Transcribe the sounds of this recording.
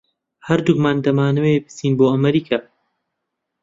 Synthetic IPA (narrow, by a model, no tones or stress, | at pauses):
hɐɾd̪umaːnd̪ɐmaːnɐwebɨ̥siːnboːɐmɐɾiːkʰaː